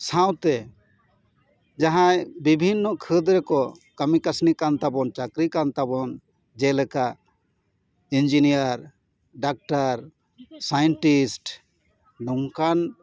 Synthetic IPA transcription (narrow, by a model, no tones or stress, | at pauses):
sãw̃t̪ɛ | d͡ʒaɦãjbibʱinːɔkʰəd̪ɾɛkɔ | kəmikasnikant̪abɔnt͡ʃakɾikant̪abɔn | d͡ʒɛlɛka | ind͡ʒinijaɾ | ɖak̚ʈaɾ | sajɛnʈisʈ | nuŋkan